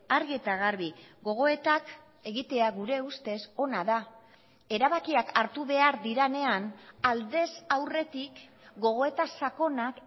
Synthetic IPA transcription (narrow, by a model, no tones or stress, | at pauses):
aɾɣiet̪aɣ̞aɾβiɡo̞ɣ̞o̞e̞t̪ak | e̞ɣit̪e̞aɣuɾe̞ust̪e̞so̞naða | e̞ɾaβakiakaɾt̪uβe̞aɾðiɾane̞anald̪e̞sawre̞t̪ik | ɡo̞ɣ̞o̞e̞t̪asako̞nak